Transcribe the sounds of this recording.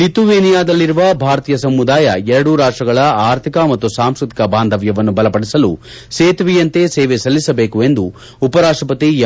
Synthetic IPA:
it̪uʋeːnijaːd̪ɐlːiɾuʋɐbʱaːɾɐt̪iːjɐsɐmːud̪aːjɐɛɾɐɽuɾaːʂʈɐɡɐɭɐaːɾt̪ʰikɐmɐt̪ːusaːmskɾɨt̪i̥kɐbaːnd̪ʱɐʋjɐʋɐnːubɐlɐpɐɽisɐlu | seːt̪ʋijɐnt̪eseːʋesɐlːisɐbe̞ːkue̞nd̪u | upɐɾaːʂʈɐpɐt̪i

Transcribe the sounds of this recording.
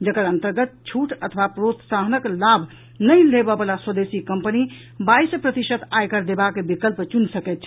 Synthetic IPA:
d͡ʒəkəɾənt̪əɾɡət̪̚t͡ʃʰuʈət̪ʰəʋapɾot̪saɦənəklabʱ | nəjlebəbəlaswəd̪esikəmpəni | baispɾət̪iʃət̪ʰajkəɾd̪ebakebikəlpt͡ʃunsəkɛt̪̚t͡ʃʰ

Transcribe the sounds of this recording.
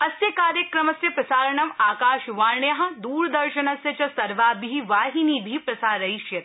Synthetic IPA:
ɐsjɐkaːɾjɐkɾɐmɐsjɐpɾɐsaːɾɐɳɐmaːkaːʃʋaːɾɳjɐɦɐ̃̆d̪uːɾd̪ɐɾʃɐnɐsjɐt͡ʃɐsɐɾʋaːbiiʋaːɦiniːbʱiːpɾɐsaːɾɐjʃjɐt̪

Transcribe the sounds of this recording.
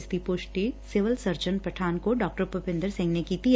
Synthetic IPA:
st̪ipʊʃʈisɪʋəlsɐɾd͡ʒənpɾɐʈʰaːnkoɖɔːk̚ʈəɾpəpɪ̃nd̪əɾsɪ̃ŋɡnekiːt̪i

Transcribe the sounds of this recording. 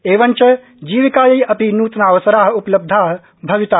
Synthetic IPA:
eːʋənt͡ʃɐ | d͡ʒiːʋikaːjɐjɐpinuːt̪naːʋəsɾaːɦupləb̚d̪ʱaːɦ | bʱɐʋit̪aː

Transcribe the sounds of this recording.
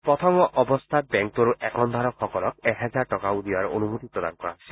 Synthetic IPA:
pɹɔt̪ʰɔŋɡɔʔɔbɔst̪ʰat̪̚bɛŋk̚touʔɛkɔnd̪ʱaɹɔkʰxɔkɔlɔk̚ɛɦɛzaɹʈɔkaud̪iwaɹonumot̪ipɹɔd̪a̰nkɔɹaɦosʰi

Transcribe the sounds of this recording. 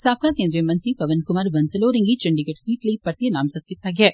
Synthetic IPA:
saːp̚kakeːnd̪ɾijɐmɐ̃nt̪ɾipɐʋɐnkʊmaːɾʋɐnsɐloːɾĩŋɡit͡ʃɐɳɖiɡɐʈsiːʈlɐipɐɾt̪jɐnaːmsɐt̪̚kɪt̪ːaːɡjaː

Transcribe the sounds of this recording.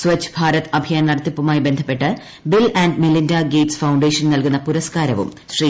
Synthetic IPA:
sʋɐt͡ɕːbʱaːɾɐt̪ːɐbʱijaːnnɐrt̪ːipːumaːjibe̞nd̪ʱɐpːeʈːɨ | bilɐːɳɖmilindaːɡeːʈsfɐwɳɖeːʂɐnnɐlkunːɐpuɾɐskaːɾɐʋṵm | ɕri

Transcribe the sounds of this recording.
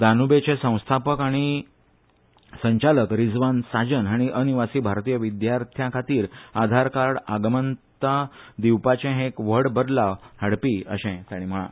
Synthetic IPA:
d̪ʱanubet͡ɕẽsə̃w̃st̪ʰapəkaɽ̃i | səɲt͡ɕaləkɾid͡zʋansad͡ʑənɦaɽ̃iʔəniʋasiːbʱaɾt̪iːjəʋid̪jaɾt̪ʰjãkʰat̪iːɾad̪ʱaɾkaɽaɡmənt̪ad̪iwpat͡ɕẽɦẽkʋəɽbəd̪lahəɽpiəɕɛ̃t̪aɽ̃im̤əɭã̰

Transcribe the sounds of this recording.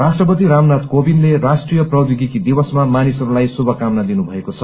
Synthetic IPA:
rasʈrʌpʌt̪iɾamnat̪kobinlerasʈrijʌprʌd̪jiɡikid̪ibʌsmamanisʌɾulajsubʱʌkamnad̪inubʱʌekot͡sʰʌ

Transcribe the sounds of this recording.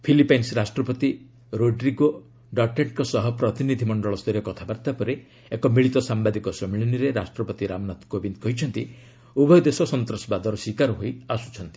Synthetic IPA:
pʰilipajnsɾasʈɾɔpɔt̪i | ɾoɖɾiɡo | ɖɔʈeɳʈkɔsɔɦɔpɾɔt̪inid̪ʱimɔɳɖɔɭɔst̪ɔɾjɔkɔt̪ʰabaɾt̪apɔɾe | ekɔmiɭit̪ɔsambad̪ikɔsɔmiɭiniɾeɾasʈɾɔpɔt̪iɾamnat̪kobind̪̚kɔɦit͡ʃʰɔnt̪i | ubʱɔjɔd̪esɔsɔnt̪ɾɔsɔbad̪ʱɔɾɔsikaɾɔɦojasu̥t͡ʃʰɔnt̪i̥

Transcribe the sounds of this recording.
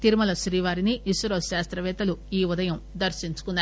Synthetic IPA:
t̪iɾmɐlɐʃɾiːʋaːɾiniːsɾoːʃaːst̪ɾɐʋɛːt̪ɐluiːʋud̪ɐjɐmd̪ɐɾʃiɲt͡ʃu̥kunːaː

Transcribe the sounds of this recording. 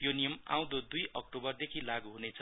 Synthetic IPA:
jonijʌmã̰w̃d̪od̪ujʌk̚ʈobʌrd̪ekʰilaɡuɦunet͡sʰʌ

